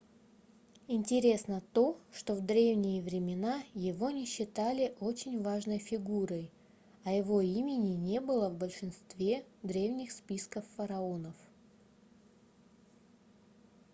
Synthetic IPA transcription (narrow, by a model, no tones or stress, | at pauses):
ɪnʲtʲɪɾʲe̞snət̪o̞ʂt̪o̞vd̪ɾʲe̞vnʲɪjɪvɾʲɪmʲɪnajɪvo̞nʲɪɕːɪt̪alʲɪʔo̞t͡ɕɪnʲvaʐnəjfʲɪɡuɾəj | ɐjɪvo̞imʲɪnʲɪnʲe̞bɨlˠəvbəlʲʂɨnst̪vʲe̞d̪ɾʲe̞vnʲɪxspʲiskəfːəɾɐo̞nəf